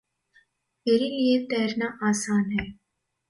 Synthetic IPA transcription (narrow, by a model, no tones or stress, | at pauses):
meːɾiliet̪ɛːɾnaʔaːsaːnɦɛː